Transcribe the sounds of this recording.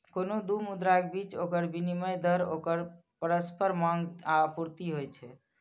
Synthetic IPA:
konod̪umud̪ɾak̚bit͡ʃokəɾbiniməjd̪ʱəɾo̰kəɾ | pəɾəspəɾmaŋɡapuɾt̪iɦojt͡ʃʰɛ

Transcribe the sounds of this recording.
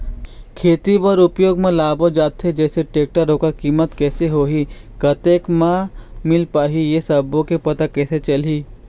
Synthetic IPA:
kʰeːt̪ibəɾʊpjoːɡmẽlaːbod͡ʒaːt̪ɦed͡ʒɛːseʈeːk̚ʈaɾokakiːmət̪kɛːseɦoːɦikɐt̪eːkmãmɪlpaːɦijesɐbõkepɐt̪akɛːset͡ʃɐli

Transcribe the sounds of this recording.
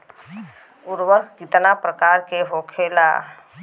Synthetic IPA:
ʊɾwəɾɡɪt̪napɾəkaːɾkeɦoːkʰeːla̰ː

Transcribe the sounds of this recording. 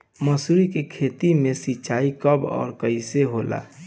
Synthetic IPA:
məsuɾikekʰet̪imẽsit͡ʃaːikəbɔ̰ːɾkəɪseɦola̰

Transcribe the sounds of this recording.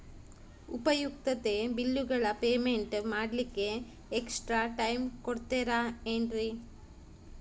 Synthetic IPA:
upɐjuk̚t̪ɐt̪e̞bilːuɡɐɭɐpeːme̞ɳʈmaːɽlikːe̞ː | ksʈɾaːʈɐjmkoɽt̪eːɾaenɖɾi

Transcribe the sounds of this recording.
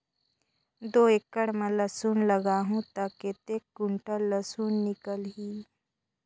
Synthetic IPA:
d̪oːekːəɽmãlɐsuːnləɡaːɦũt̪aːket̪eːkːʊɳʈalːəsuːnːɪkəlɦiː

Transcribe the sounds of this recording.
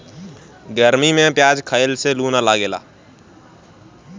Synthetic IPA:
ɡəɾmimẽpjaːd͡ʒkʰəɪlselunalaːɡeːla̰ː

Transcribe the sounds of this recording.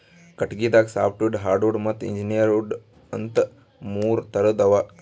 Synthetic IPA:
kɐʈɡiːd̪aːksaːpʰʈʋuɖɦaːɾɖuɖmɐt̪ːḭɲd͡ʒinijɐɾuːɖ | ɐnt̪ | muːɾt̪ɐɾɐd̪ɐʋa

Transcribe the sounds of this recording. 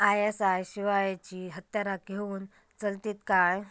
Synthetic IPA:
ajesajɕiʋajt͡ɕiːɦət̪jaɾaɡʱeuːn | t͡səlt̪iːt̪kaj

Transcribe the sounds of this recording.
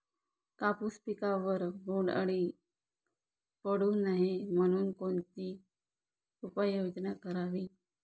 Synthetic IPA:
kapuspikaʋəɾbʱoɳɖa̰ɽ̃i | pəɽuːnaɦem̤əɽ̃uːnkoɳt̪iː | upəjod͡ʑnakəɾaʋiː

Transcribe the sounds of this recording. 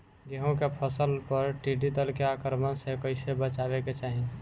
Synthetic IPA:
ɡeɦõkepʰəsəlpəɾʈiɖid̪əlkeakəɾmənsekəɪsebət͡ʃaβeket͡ʃaɦi

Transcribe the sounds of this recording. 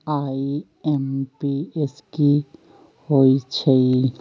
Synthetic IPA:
aːi | ɛmpieski | hoit͡ʃʰei

